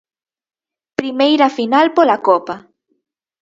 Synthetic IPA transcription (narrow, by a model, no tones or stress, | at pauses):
pɾimejɾafinalpolakopa